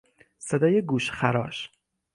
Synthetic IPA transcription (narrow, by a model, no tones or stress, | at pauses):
sed̪ɒːjeɡuːʃxæɾɒ̰ːʃ